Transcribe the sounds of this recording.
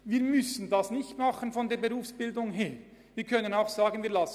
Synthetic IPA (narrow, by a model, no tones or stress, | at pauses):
viːɾmʏsən̩dɑsnɪçtmɑχənfɔndeːɐbeʁuːfsb̥ɪldʊŋɦeː | viːkʰœnənaʊxsaːɡənviːɐlɑs